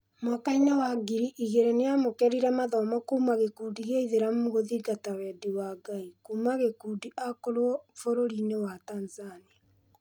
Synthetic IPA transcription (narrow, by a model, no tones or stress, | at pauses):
makaiɲawaɡiɾiʔiɣeɾɛnejamokɛɾiɾɛmaðɔmɔkuːmaɣekuːdiɣeiðeɾammoɣoðiɡatawɛdiwaɡaikuːmaɣekuːdiʔakoɾwɔfoɾoɾinewataːnzania